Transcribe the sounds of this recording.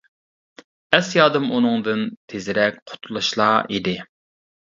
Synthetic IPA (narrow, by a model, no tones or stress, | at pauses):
ɛsjɑːd̪ɨmunɨŋd̪ɨnt̪ʰezɪɾɛk̚ʲqʰʊ̥t̪ʰulˠɨʃlˠɑːḭd̪ɪ